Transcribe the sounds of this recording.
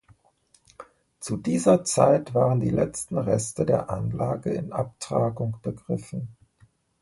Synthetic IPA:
t͡sudiːzɐt͡sa̰ɪtv̥aːʁəndḭːlʔɛt͡stn̩ʁɛstədeːɐʔa̰nlaːɡəɪnʔaptʁ̥aːɡʊŋb̥əɡʁɪfn̩

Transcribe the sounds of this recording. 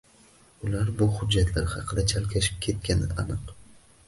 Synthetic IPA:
ʊlaɾbʊhʊd͡ʒːat̪ʰlaɾɪhɑqʰɨd̪at͡ʃʰalkʲʰaʃɪ̥p̚kʲʰe̞t̪̚kʲanɪanɨq

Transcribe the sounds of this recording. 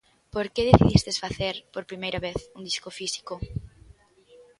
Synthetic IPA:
poɾkeðeθiðist̪esfaθeɾpoɾpɾimejɾɐβeθund̪iskofisi̥ko

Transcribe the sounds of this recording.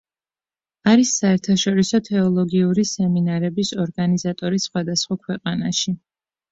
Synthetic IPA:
aɾisːaɛɾt̪ʰaʃɔɾisɔt̪ʰɛɔlˠɔɡiuɾisɛminaɾɛbisɔɾɡanizat̪ʼɔɾisːχwad̪asχwakʰwɛqʼanaʃi

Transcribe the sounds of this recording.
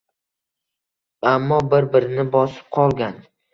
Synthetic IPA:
amːɒbɪɾbɪɾɪnɪbɒsɪ̥p̚qʰɒlˠɡʲan

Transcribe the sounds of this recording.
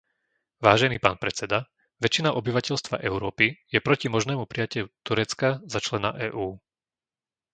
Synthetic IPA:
ʋaːʒɛniːpaːnpɾɛt͡sɛd̪a | ʋɛt͡ʃːinaʔɔbiʋacɛʎst̪ʋa̰ʔɛʊɾɔːpijɛpɾɔcimɔʒnɛːmupɾijacɛʎut̪uɾɛt͡skazat͡ʃlɛna̰ʔɛːʔuː

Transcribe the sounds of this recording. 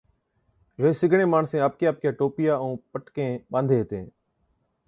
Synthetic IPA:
ʋeːsɪɡʱɳẽːmaːɳsẽːap̚kjaːp̚kjaːʈoːpɪjaːəũːpəʈkẽːɓãːnd̪ʱeːɦt̪ẽː

